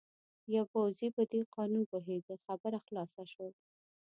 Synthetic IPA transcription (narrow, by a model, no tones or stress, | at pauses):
jawpawzipəd̪eqɑnunpoɦed̪əxabəɾaxlɑsaʃwəl